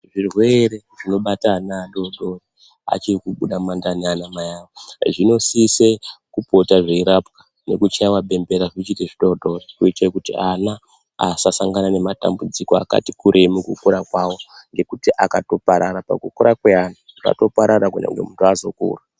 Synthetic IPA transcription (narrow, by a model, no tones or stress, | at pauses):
ʐirwe̞ɾe̞ | ʐino̞ɓatanaɗo̞ɗori | a̰t͡ʃirikuɓuɗamandanianamajawoʐino̞sisekupo̞taʐeiɾapkḁ | ne̞̰kut͡ʃaiwaɓe̞mbe̞ɾaʐit͡ʃiteʐiɗo̞ɗorikuitakutḭana | asasaŋɡanane̞mata̰mbud͡zikoa̰ka̰tikuɾʔemukukuɾakwawo̞ŋɡe̞kutiʔakato̞paɾaɾapa̰kukuɾakweana | ka̰to̞paɾaɾakunḛŋɡwḛmuntʰuazo̞kṵːra